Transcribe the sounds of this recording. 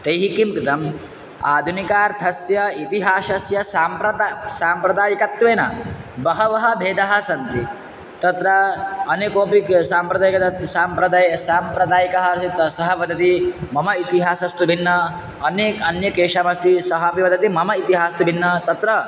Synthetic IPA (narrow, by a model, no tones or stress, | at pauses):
t̪ɐjɦikimkɾɪt̪ɐm | aːd̪ʱunikaːɾt̪ʰɐsjɐit̪iɦaːʃɐsjɐsaːmpɾɐsaːmpɾɐd̪aːjɐkɐt̪ʋeːnɐ̰bɐɦɐʋɐɦɐ̆bʱeːd̪ɐɦɐsɐnt̪i | t̪ɐt̪ɾɐɐnekoːpiksaːmpɾɐd̪aːjɐkɐt̪ɐsaːmpɾɐd̪aːjsaːmpɾɐd̪aːjɐkɐɦɐt̪sɐɦɐʋɐd̪ʱɐt̪imɐmɐit̪iɦaːsɐst̪ubʱinːɐ | ɐneːkɐnjɐkeːʂaːmɐst̪isɐɦɐpiʋɐd̪ɐt̪imɐmɐit̪iɦaːst̪ubʱinːɐt̪ɐt̪ɾɐ